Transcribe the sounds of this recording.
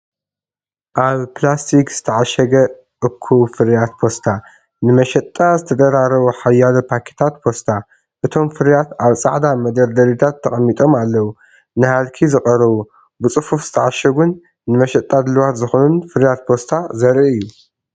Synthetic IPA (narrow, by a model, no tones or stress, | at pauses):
ʔaβplast̪ʰikz̥ɨt̪ʰɐʕaʃɐɡɐ | ʔɨkʰːufɨɾjat̪pʰo̞st̪ʰa | nɨmɐʃɐt̪ʼːazɨt̪ʰɐd̪ɐɾaɾɐβuħajːalɐpʰakʰe̥t̪ʰat̪̚pʰo̞st̪ʰa | ʔɨt̪ʰo̞mfɨɾjat̪aβt͡sʼaʕd̪amɐd̪ɐɾd̪ɐɾit̪ʰat̪ʰːɐχʼɐmːit̪ʼo̞malːɐwu | nɨhalkʰizɨχʼɐɾɐβu | bɨt͡sʼɨfufz̥ɨ̥t̪ʰɐʕaʃɐɡunː | ɨmɐʃɐt̪ʼːad̪ɨlɨwat̪zɨxonunfɨɾjat̪̚pʰo̞st̪ʰazɐɾiɨjːu